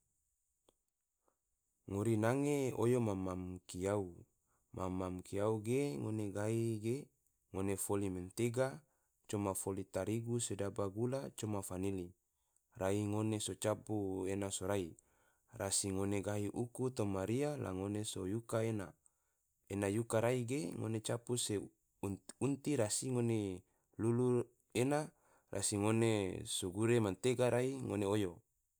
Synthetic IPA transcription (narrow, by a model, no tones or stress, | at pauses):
ŋoɾinaŋeojomamamkiau | mʔamːamkiauɡeŋoneɡaɦiɡe | ŋonefoliment̪eɡa | t͡ʃomafolit̪aɾiɡusedabaɡulat͡ʃomafanili | raiŋonesot͡ʃapuenasoɾai | rasiŋoneɡaɦiʔukut̪omaɾiala̰ŋonesojukaena̰ | enajukaɾaiɡeŋo̰net͡ʃapuse | unt̪iɾasiŋone | lulu | ena | rʔa̰siŋonesoɡuɾemant̪eɡaɾaiŋoneojo